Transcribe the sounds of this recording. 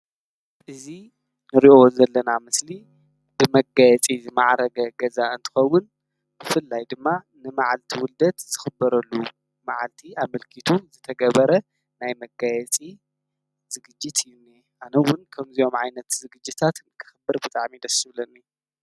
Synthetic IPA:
ʔɨzi | nɨɾiʔownzɐlːɐnamɨsli | bɨmɐɡajɛt͡sʼizɨmaʕɾɐɡɐɡɐzaɨnt̪ʰɨ̥xɐwʊn | b̥ɨfɨlːajd̪ɨmːa | nɨmaʕalt̪ʰiwʊld̪ɐt̪z̥ɨxɨbːɐɾɐlːu | maʕalt̪ʰiaβmɨlkʰit̪ʰuzɨt̪ʰɐɡɐβɐɾɐ | najmɐɡajɛt͡sʼi | z̥ɨɡɨd͡ʒːɪt̪ɨjːunːe | ʔanɐwʊnkʰɐmzijo̞mʕajnɐt̪zɨɡɨd͡ʒːɨt̪ʰat̪ɨkʰɨ̥xɨbːɨɾbɨt̪ʼaʕmid̪ɐsɨβlɐnːi

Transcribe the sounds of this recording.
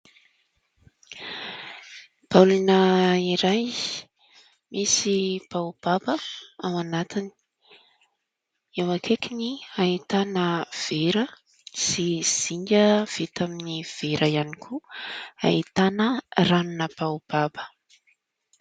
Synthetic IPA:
b̥alunəiɾaj | misib̥awb̥abəawanat̪ini̥ | ewakʰekiniait̪anəv̥eɾə | siz̥iɲɡəv̥it̪aminiv̥eɾʔəjanikʰua̰it̪anəranunəbawb̥abə̥

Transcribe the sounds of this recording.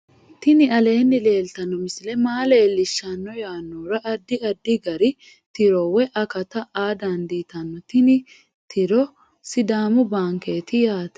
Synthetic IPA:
t̪ɪnɪɐle̞ːnːɪle̞ːlt̪ɐnːɔmɪsɪlɛmaːleːlːɪʃːɐnːɔjaːnːoːɾɐʔɐd̪ːɪɐd̪ːɪɡɐɾɪ | t̪ɪɾɔwɛʔɐkɐt̪ɐʔaːd̪aːnd̪iːt̪ɐnːɔt̪ɪnɪ | t̪ʰɪɾɔ | sɪd̪aːmʊbaːŋkeːt̪ɪjaːt̪ɐ̥

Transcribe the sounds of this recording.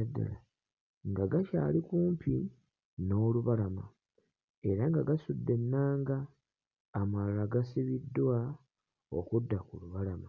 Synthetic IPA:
adːa̰la | ŋɡaɡaʃa̰ːlikuːmpi | no̞ːluβalama̰ | e̞ɾaŋɡaɡasudːe̞nːaːŋɡaː | malaɡasiβidːwa | o̞̰kudːakuluβalama

